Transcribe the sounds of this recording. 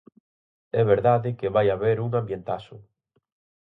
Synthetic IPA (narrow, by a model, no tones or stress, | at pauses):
ɛβeɾðaðɪkɪβajaβeɾuŋambjent̪asʊ